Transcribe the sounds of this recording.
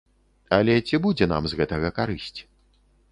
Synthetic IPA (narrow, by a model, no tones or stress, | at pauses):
ɐlʲɛt͡sʲibud͡zʲɛna̰mzɣɛt̪ɐɣɐkaɾɨsʲt͡sʲ